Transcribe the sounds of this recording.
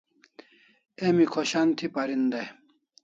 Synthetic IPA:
emikʰoɕant̪ʰipɐɾind̪ɐ

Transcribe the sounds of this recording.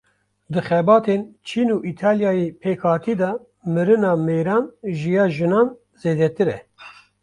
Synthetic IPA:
d̪ɨxɛbɑːt̪ʰent͡ʃʰiːnuːʔiːt̪ʰaːljɑːjepʰeːkʰɑːɾt̪ʰiːd̪ɑː | mɨɾɨnɑːmeːɾɑːnʒijɑːʒɨnɑːn | z̥eːd̪ɛt̪ɨɾɛ̰

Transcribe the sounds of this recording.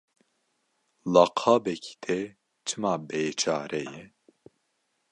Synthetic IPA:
lɑqʰɑːbɛkʰi̥t̪ʰɛ | t͡ʃʰɨmaːbeːt͡ʃʰaːɾɛjɛ

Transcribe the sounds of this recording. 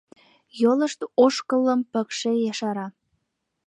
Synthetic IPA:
joləʃt̪oʃkəlːəmpə̆kʃejɑʃɑɾɑ

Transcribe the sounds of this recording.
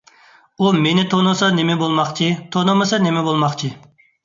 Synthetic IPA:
umenɪt̪ʰonosɑnɪmɪbolˠmɑχt͡ʃʰit̪ʰonomɨsɑnɪmɛbolˠmɑχt͡ʃʰi

